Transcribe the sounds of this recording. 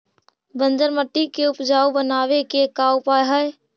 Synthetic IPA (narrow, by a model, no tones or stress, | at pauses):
bə̃nd͡ʒəɾməʈ̪ːikeʊpd͡ʒaːubənaːʋekekaʊpaːeɦɛe